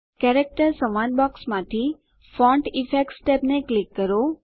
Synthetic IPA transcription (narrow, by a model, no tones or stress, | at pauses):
kɛɾek̚ʈəɾsəmãnbɔksmãt̪ʰi | fɔ̃ɳʈifʰek̚ʈsʈepneklikːəɾo